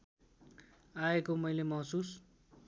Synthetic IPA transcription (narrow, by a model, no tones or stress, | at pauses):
aekomʌjlemʌɦsus